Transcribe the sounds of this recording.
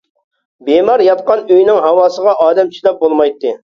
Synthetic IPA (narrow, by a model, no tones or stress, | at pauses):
bemɑɾjɑt̪̚qɑnøjnɪŋɦɑwɑːsəʁɑʔɑːd̪ɛmt͡ʃʰiʃlɛp̚bolˠmɑjt̪ːɨ